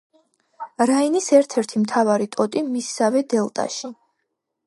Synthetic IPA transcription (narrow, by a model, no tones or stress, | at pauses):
ɾainisɛɾt̪ʰɛɾt̪ʰimt̪ʰavaɾit̪ʼɔt̪ʼimisːavɛd̪ɛlˠt̪ʼa̰ʃi